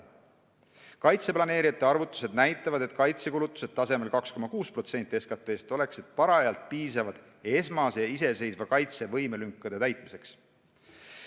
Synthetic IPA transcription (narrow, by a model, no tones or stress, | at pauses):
kɑjt̪se̞plɑneːɾijɑt̪ːˑe̞ɑrvut̪ːˑu̥se̞d̪̚næjt̪ːˑɑvɑd̪e̞t̪kɑjt̪se̞kulut̪ːˑu̥se̞d̪̚t̪ɑse̞me̞lkɑksko̞mɑkuːspro̞t̪se̞nt̪ˑie̞skɑt̪ːˑe̞ːst̪o̞le̞kse̞t̪̚pɑɾɑɑjɑlt̪̚piːsɑvɑd̪̥ | e̞smɑsejɑise̞se̞jsvɑkɑjt̪se̞vɤjmelyŋkːɑd̪̥e̞t̪æjt̪ˑmise̞ks